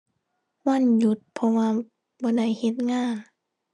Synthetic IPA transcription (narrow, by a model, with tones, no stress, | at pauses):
wa˧˥˨nju˧˦t̪̚pʰɔ˧waː˧ | bɔː˧˦da˧˥˩jhe˧˦t̪̚ŋaː˧˥˩